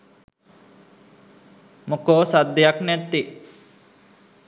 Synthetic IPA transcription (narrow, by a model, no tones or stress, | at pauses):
mokoːsad̪ːejaknɛt̪ːi